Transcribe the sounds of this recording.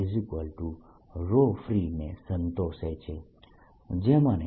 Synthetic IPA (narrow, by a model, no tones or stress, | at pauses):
ezikʋəlʈu | ɾofɾinesə̃nt̪oset͡ʃʰe | d͡ʒemãne